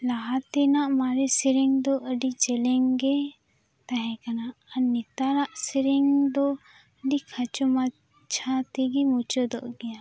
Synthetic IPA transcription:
laɦat̪ɛnaʔmaɾɛsiɾiŋd̪ɔʔəɖit͡ʃɛlɛŋɡɛ | t̪aɦɛ̃kanaʔənit̪aɾaʔsiɾɛŋd̪ɔ | əɖikʰat͡ʃɔma | t͡ʃʰat̪iɡimut͡ʃɔd̪ɔʔɡɛja

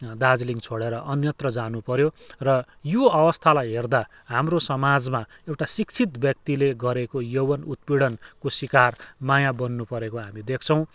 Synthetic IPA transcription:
d̪ad͡zliŋt͡sʰoɽeɾʌʔʌnjʌt̪rʌd͡zanupʌɾjorʌ | joʌbʌst̪ʰalajɦerd̪a | ɦamrosʌmad͡zma | ewʈasikt͡sʰit̪bjʌkt̪ileɡʌɾekojowʌnut̪̚piɽʌnkoswikarmajabʌnːupʌɾekoɦamid̪ekʰt͡sʰʌ̃w̃

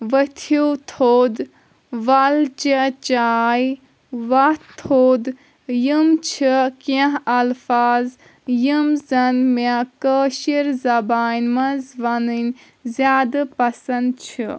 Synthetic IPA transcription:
ʋət̪ʰut̪ʰoːd̪ | ʋɐlt͡ʃɐt͡ʃaːj | ʋɐht̪ʰoːd̪ | jimt͡ʃʰikɐ̃ɦɐlfaːz | jimzɐnmekəʃiɾzɐbaːnʲmɐzʋɐnɨnʲ | zʲjaːd̪ɨpɐsɐnd̪̚t͡ʃʰi

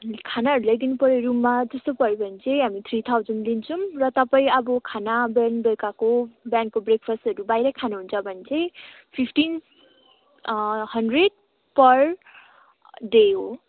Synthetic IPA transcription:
kʰanaɦʌɾulajd̪inupʌɾeɾumːad͡zʌst̪opʌɾibʱʌnt͡sʰejɦamit̪ʰrit̪ʰawd͡zʌnlint͡sʰʌmrʌt̪ʌpaĩʌbʌkʰanabanbʌkakobjankobrekpʰʌsʈʌɾubajɾʌkʰanuɦunt͡sʰʌbʱʌnt͡sʰej | pʰipʰʈin | hʌnɖreɖ̚ | pʌr | ɖeɦo̰

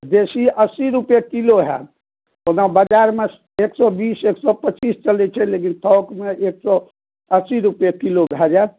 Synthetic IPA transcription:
d̪esiəsiɾupjekiloɦɛ̰ | onabəd͡ʒaɾme | eksɔbiseksɔpət͡ʃist͡ʃəlɛt͡ʃʰɛlekint̪ʰɔʊkmeeksɔ | əsiɾupjekilobʱɛd͡ʒa

